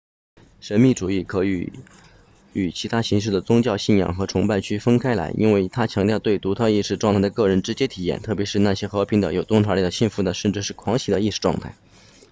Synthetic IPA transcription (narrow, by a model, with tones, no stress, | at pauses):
ʂə˧˥nmi˥˩ʈ͡ʂu˨˩i˥˩kʰɤ˧˥y̰˧˥ | y˨˩t͡ɕʰi˧˥t̪ʰa˥ɕi˧˥ŋʂ̬ɻ̩˥˩d̪ə˩t͡sʊ˥ŋt͡ɕjɑ˥˧ʊɕi˥˩njɑ̰˨˩ŋxɤ˧˥ʈ͡ʂʰʊ˧˥ŋpa˥˧nt͡ɕʰy˥fə˥nkʰa˥ɪla̰˧˥ɪʔḭ˥nwe˥˩ɪt̪ʰa˥t͡ɕʰjɑ˧˥ŋt̪jɑ˥˧ʊt̪we˥˩ɪt̪u˧˥t̪ʰɤ˥˧i˥˧ʂɻ̩˥˧ʈ͡ʂwɑ˥˧ŋt̪ʰɪd̪ə˧kɤ˥˩ɻə˧˥nʈ͡ʂɻ̩˧˥t͡ɕjɛ˥t̪ʰi˨˩jɛ̰˥˩nt̪ʰɤ˥˩pjɛ˧˥ʂɻ̩˥˧na˥˩ɕjɛ˥xɤ˧˥pʰi˧˥ŋd̪ə̰˧˨jo˨˩ʊt̪ʊ˥ŋʈ͡ʂʰwa˧˥li˨˩d̪ə˩ɕi˥˩nfu˧˥d̪ə˨ʂə˥˧nʈ͡ʂɻ̩˥˧ʂɻ̩˥˩kʰwɑ˧˥ŋɕi˨˥˩d̪ə˧i˥˧ʂɻ̩˥˧ʈ͡ʂwɑ̰˥˧ŋt̪ʰa˥˩ɪ